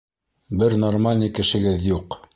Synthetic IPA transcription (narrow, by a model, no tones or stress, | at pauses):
bɘɾnormalʲnʲijkɘ̆ʃɘ̆ɡɘðjuq